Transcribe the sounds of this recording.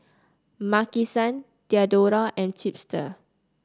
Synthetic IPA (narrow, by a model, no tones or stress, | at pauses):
makisãn | tiadoɹaʔɛ̃nt͡ʃip̚stə̰